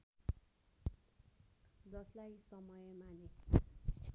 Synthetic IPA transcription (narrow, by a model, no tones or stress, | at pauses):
d͡zʌslajsʌmʌjemane